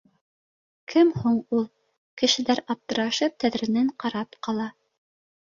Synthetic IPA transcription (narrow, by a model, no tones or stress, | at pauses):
kʰɘmhuɴulˠ | kɘ̆ʃɘ̆læɾɑp̚t̪ɤ̆ɾɑʃɤp̚t̪æðɾɘ̆nɘɴqɑɾɑpqɑlˠɑ